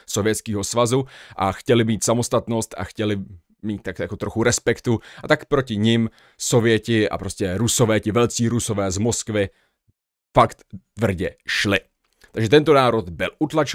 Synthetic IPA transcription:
sovjɛt̪skiːɦo̞svazuʔa̰xcɛlɪmiːt̪samo̞st̪at̪no̞st̪a̰xcɛlɪ | miːt̪ːakjakot̪ɾo̞xuɾɛspɛkt̪uʔat̪akpɾo̞cɪɲɪm | so̞vɪjɛcɪʔa̰pɾo̞scʲɛɾuso̞vɛːcɪvɛlt͡siːɾuso̞vɛːzmo̞skvɪ | fakt̪t̪vr̩ɟɛʃlɪ | t̪aɡʒɛt̪ɛnt̪o̞naːɾo̞t̪bɪlʔut̪lat͡ʃ

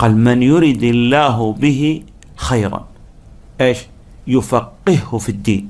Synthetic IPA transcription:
qɑːlmɪnjʊɾɪd̪ɪlːaːɦbɪɦi | xajɾɑ̰n | ʔeːʃ | jʊfaqːɪhhʊfid̪ːḭːn

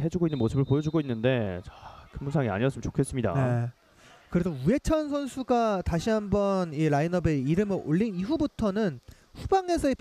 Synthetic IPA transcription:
ɦe̞d͡ʑuɡoinːɯnmos͈ɯbɯɭpojʌd͡ʑuɡoinːɯnde̞t͡ɕakɯmːunsʰaŋia̰ɲiʌs͈ɯmənt͡ɕokʰe̞s͈ɯmɲida̰ne̞ | kɯɾedoue̞t͡ɕʰʌnsʰʌnsʰuɡataɕʰiɦambʌniɾainʌbe̞iɾɯmɯɾoʎːiniɸubutʰʌnɯn | ɸubaŋe̞sʰʌe

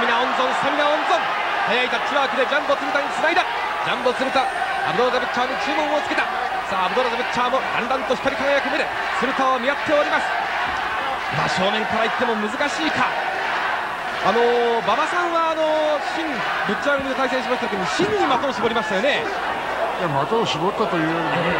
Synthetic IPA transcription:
semʲinaõnzõ̞semʲinaõ̞nzõ̞ŋ | hajait̪at͡ɕiɾakɯd̪e̞d͡ʑãmbot͡sɨɾɯt̪aɲ̟it͡sɨnaid̪a | d͡ʑãmbot͡sɨɾɯ̟t̪a | a̰bɯ̟d̪oɾad̪abɯ̟t͡ɕːaːɲit͡ɕɨːmõɰ̃ot͡sɨ̥ke̞t̪a | saːbɯd̪oɾat̪abɯ̟t͡ɕːaːmod̪ã̰nd̪ãnt̪oçi̥k̪ːaɾʲikaŋajakɯ̟meɾe | t͡sɨɾɯ̟t̪aomʲijat̪ːe̞o̞ɾʲimasɨ̥ | maːɕo̞ːmẽ̞ŋkaɾait̪ːe̞mo̞mɯ̟zɨkaɕiːka | ano̞bamasãɰ̃βaːno̞ɕĩŋ | bɯ̟t͡ɕːaɾɯɲid̪ot̪ais̬ẽɕimaɕit̪aokeoɕĩɲɲːimat̪oːɕibo̞ɾʲimaɕt̪ajo̞ne | jamat̪oːɕibot̪ːat̪ojɯ

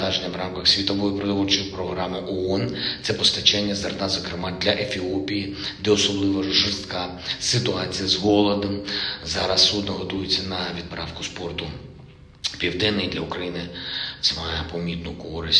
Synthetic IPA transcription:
ɑʒenʲːɐʋɾɑmkɐxsʲʋʲit̪ɔʋɔjʊpɾɔd̪ɔlt͡ʃɪwpɾɔɦɾɑmɪʔɔɔnt̪sɛpɔst̪ɐt͡ʃɛnʲːɐzɐrt̪ɑzɐkɾɪmɑd̪lʲɐʔefʲiɔpʲijid̪ɛɔsɔblˠɪʋɐʒɪrst̪kɑ | sɪt̪ʊɑt͡sʲijɐzɦɔlˠɔd̪ɐmzɑɾɐsːud̪nɐɦɔd̪ujɪt͡sʲːɐnɐʋʲid̪̚pɾɑfkʊspɔrt̪ʊ | pʲiwd̪ɪnːɪjd̪lʲɐʊkɾɐjinɪt̪sɛmɑjɛpɔmʲit̪nʊkɔɾɪsʲ

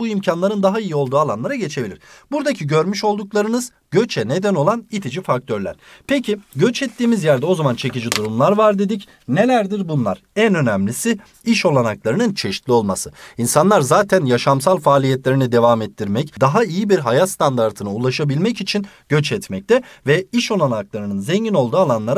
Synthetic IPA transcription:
uimcʰanlˠaɾɯnd̪aɦaijio̞lˠd̪uːalˠanlˠaɾaɟe̞t͡ʃʰe̞bilʲiɾ̥buɾd̪acʰiɟø̞ɾmyʃo̞lˠd̪uklˠaɾɯnɯz̥ | ɟ̥øt͡ʃʰɛne̞d̪æno̞lˠanit̪ʰid͡ʒifak̚t̪ʰø̞ɾlʲæ̰ɾ̥pʰecʰiɟøt͡ʃɛt̪ːiːmizjæɾd̪ɛo̞zamant͡ʃʰe̞cid͡ʒid̪uɾumlˠaɾvaɾd̪e̞d̪ic | ne̞lʲæɾd̪iɾbunlˠa̰ɾ̥ | ænø̞nɛmlʲisɪ | iʃo̞lˠanaklˠaɾɯnɯnt͡ʃʰe̞ʃi̥t̪lʲio̞lˠmasɯinsanlˠaɾzaːt̪ʰænjaʃamsalˠfaːlʲijɛt̪lʲe̞ɾinid̪e̞vaːmɛt̪ʰːiɾmɛcd̪aɦaijibiɾɦajast̪ʰand̪aɾt̪ʰɯnaulˠaʃabilʲmɛcit͡ʃʰin | ɟ̥øt͡ʃɛt̪mɛc̚t̪ʰɛvɛiʃo̞lˠanaklˠaɾɯnɯnzeɲɟino̞lˠd̪uːalˠanlˠaɾa

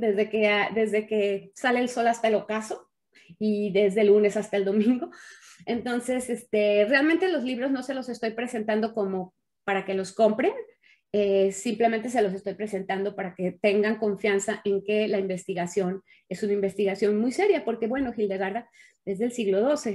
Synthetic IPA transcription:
d̪e̞zðekead̪e̞zðe̞ke̞sale̞ːlso̞last̪aelokaso̞ | iðe̞zðe̞lune̞sast̪aeld̪o̞mĩŋɡo̞e̞nt̪o̞nse̞sest̪e̞realmẽnt̪e̞lo̞zliβ̞ɾo̞zno̞se̞lo̞se̞st̪o̞jpɾe̞se̞nt̪and̪o̞ko̞mo̞ | paɾake̞lo̞sko̞mpɾe̞n | esimple̞ment̪e̞s̬e̞lo̞s̬e̞st̪o̞jpɾe̞se̞nt̪and̪o̞paɾake̞t̪e̞ŋɡaŋko̞ɱfjansaʔe̞ŋke̞laimbe̞st̪iɣasjo̞n | e̞sunaimbe̞st̪iɣasjo̞nmujse̞ɾjapo̞ɾke̞βwe̞no̞xild̪e̞ɣaɾða | ðe̞zðelsiɣlo̞ð̞o̞se̞

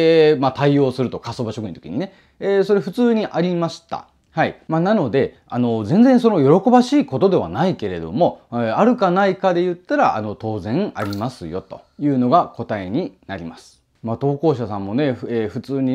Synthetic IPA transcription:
mat̪aio̞ːsɨɾɯ̟t̪o̞kasobaɕokɯ̟ĩnt̪okʲḭɲine̞ | eso̞ɾeɸɯ̟t͡sɨːɲ̟iʔaɾʲimaɕi̥t̪a̰ | haimanano̞d̪e̞ | a̰no̞zẽ̞nd͡zẽ̞ñso̞no̞jo̞ɾo̞ko̞baɕiːko̞t̪o̞d̪e̞β̞a̰naike̞ɾe̞d̪o̞̰mo̞aɾɯ̟kanaikad̪e̞jɯ̟t̪ːaɾaʔa̰no̞t̪o̞ːzẽ̞ŋa̰ɾʲimasɨjo̞t̪o̞ | jɯ̟ːno̞ɡako̞t̪ae̞ɲ̟inaɾʲimasɨ̥ | mat̪o̞ːko̞ːɕasãmːo̞ne̞eɸɯt͡sɨːɲ̟i

